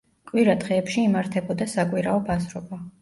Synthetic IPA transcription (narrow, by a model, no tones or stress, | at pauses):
kʼwiɾad̪ʁɛːpʃiːmaɾt̪ʰɛbɔd̪asakʼwiɾaɔbazɾɔba